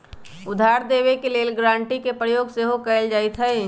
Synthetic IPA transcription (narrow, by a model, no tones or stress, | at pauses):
ʊd̪ʱaːɾd̪eːʋekeleːlɡɾãːɳʈikepɾəjoːɡseɦokəɪld͡ʒaːit̪ʰəi